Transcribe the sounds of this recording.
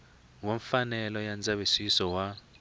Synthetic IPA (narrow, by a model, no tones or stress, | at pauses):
woɱfanɛlɔjand͡zʱʼaɓisisɔwa